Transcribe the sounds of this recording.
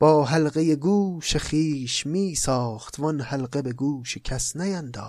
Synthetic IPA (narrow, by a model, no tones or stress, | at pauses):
b̥ɒːɦælɣejeɡuːʃeχiːʃmiːsɒːχt̪ʰvɒnhælɢebeɡuːʃekʰæsnæjænd̪ɒː